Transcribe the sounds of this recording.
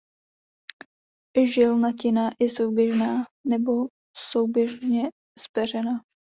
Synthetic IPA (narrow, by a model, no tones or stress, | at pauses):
ʒɪlnacɪnaʔɪsowbjɛʒnaːnɛbo̞ | sowbjɛʒɲɛ | spɛr̝ɛna